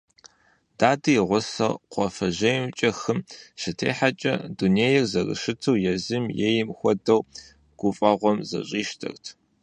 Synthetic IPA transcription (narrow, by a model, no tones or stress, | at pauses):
d̥aːdɨjʁʷʊsɐrqʷɔfɐʑɐjmt͡ʃʼɐxɨmɕɨtʰeːħat͡ʃʼɐ̰duneːjɛrzɐrɨ̰ʃɨtʰɐwjɛzɨmjɛjɪmxʷɔdɐw | ɡ̥ʷʊfʼɐʁʷɔmzɐ̰ɕʼiːʃtʰɐ̰rtʰ